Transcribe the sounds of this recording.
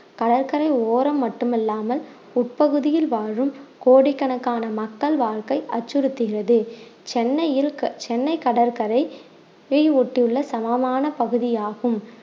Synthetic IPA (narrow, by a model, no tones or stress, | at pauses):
kɐɽɐɾkɐɾɐɪoːɾɐmːɐʈːɯmɛlːaːmɐl | ʊʈ̚pɐɣɯðɪjɪlʋaːɻɯmkoːɽɪkːɐɳɐkːaːnɐmɐkːɐɭʋaːɭkɐɪʔɐt͡ʃːɯɾɯt̪ːɯɣɪrɐðɯt͡ʃɛnːɐjɪlt͡ʃɛnːɐɪkːɐɽɐɾkɐɾɐɪ | ʋejɔʈːɪjɯɭːɐsɐmɐmaːnɐpɐɣɯðɪjaːɣɯm